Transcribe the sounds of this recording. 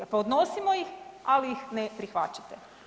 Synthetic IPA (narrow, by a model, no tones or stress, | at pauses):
paod̪nosimojixalijixnepɾixʋa̰t͡ʃḁt̪e